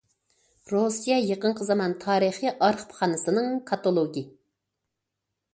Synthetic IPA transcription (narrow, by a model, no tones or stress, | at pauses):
ɾosijɛjeqəɴqʰəzɑmɑnt̪ʰɑːɾəχiʔɑɾχpʰχɑnɨsɨnɨŋkʰɑt̪olˠoɡʲi